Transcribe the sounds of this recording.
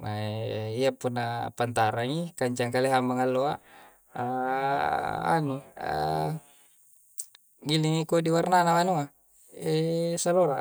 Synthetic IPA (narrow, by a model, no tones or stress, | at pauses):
maeiapunːapant̪aɾaŋikaɲt͡ʃaŋkaleɦamaŋalːoa | a | a̰nua̰ | ɡiliŋikodiwarnanamanua | esaloɾa̰